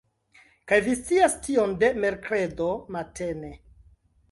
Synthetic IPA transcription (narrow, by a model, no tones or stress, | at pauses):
kajvist͡siastionde̞me̞ɾkɾe̞domate̞ne̞